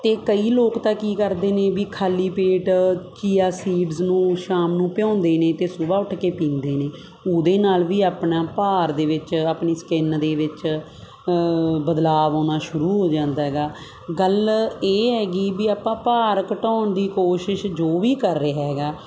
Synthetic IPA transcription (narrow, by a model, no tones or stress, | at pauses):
t̪eːkəiːloːkt̪aːkiːkəɾd̪eːnẽːbiːkʰaːliːpeːʈt͡ʃiːaːsiːɖznũːʃaːmnũːpɪjɔ̃ːnd̪eːneːt̪eːsʊbaːʊʈʰkeːpĩːnd̪eːneː | uːd̪eːnaːlʋiːaːpnaːpaːɾd̪eːʋɪt͡ʃaːpɳiːskɪnd̪eːʋɪt͡ʃ | bəd̪laːʋoːnaːʃʊɾuːɦoːd͡ʒãːnd̪aːɦɛɡaː | ɡəleːɦɛːɡiːbiːaːpãːpaːɾkəʈɔ̃ːnd̪iːkoːʃɪʃd͡ʒoːʋiːkəɾːeɦɛːɡaː